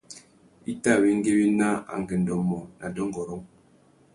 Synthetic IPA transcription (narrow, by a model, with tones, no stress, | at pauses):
i˦ta˦˨wi˦ŋ˦ɡe˦bi˦na˦a̰˨ŋ˨ɡɛ˨n˨dɔ˨mɔ˨nʔa˨dɔ˦ŋɡɔ˨ɾɔ˦ŋ